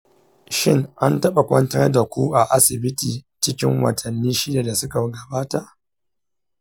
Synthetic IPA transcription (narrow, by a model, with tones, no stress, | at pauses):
ʃɪ˦ŋʔa˦ntɐ˦ɓa˨kʷɐ˦ntɐ˦n˦da˨kʷuː˦ʔa˨ʔa˦sɪ˨bɪ˦tiː˨t͡ʃɪ˦kʲɪ˦ŋwɐ̰˨tʰɐ˨nːiː˦ʃɪ˦da˨da˨sʊ˦ka˨ɡɐ˨baː˦ta˨ʔ